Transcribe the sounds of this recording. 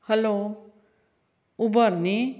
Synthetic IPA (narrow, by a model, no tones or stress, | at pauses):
hʌlo | ubʌrne